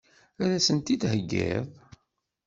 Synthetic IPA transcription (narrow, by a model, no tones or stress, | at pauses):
æɾæsənt̪id̪ɦəɡːḛðˤ